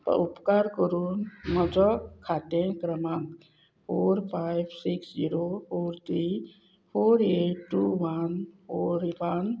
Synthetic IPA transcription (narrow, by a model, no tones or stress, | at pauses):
t̪ɔ̰upkaɾkɔɾunmɔd͡ʒɔkkʰːat̪ẽkɾəmaŋ | pʰoɾpʰajbsiksd͡ʒiɾopʰoɾt̪ʰɾi | pʰoɾeʈːuʋanpʰoɾwan